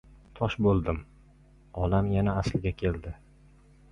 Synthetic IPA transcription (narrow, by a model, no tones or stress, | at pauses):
t̪ʰɒʃbolˠd̪ɪm | ɒlamjanaːslɪɡʲakʲʰe̞ld̪ɪ